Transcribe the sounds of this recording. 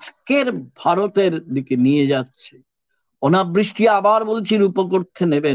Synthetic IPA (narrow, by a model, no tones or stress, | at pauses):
d͡ʑkeɾbʱaɾot̪eɾdikenied͡ʑatːɕʰe̥ | onabɾiʃʈiabaɾbolt͡ɕʰiɾupok̬oɾt̪ʰenebe